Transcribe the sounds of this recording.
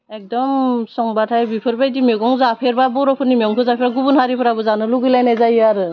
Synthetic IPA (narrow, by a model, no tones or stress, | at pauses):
ek̚dɔmsɔŋbatʰajbipʰɯɾbajdimeɡɔŋzapʰeɾbabɔɾɔpʰɯɾnimeɔŋpʰɯzapʰeɾaɡubunhaɾipʰɯɾabɯzanɯluɡɯjlajnazajaɾɯ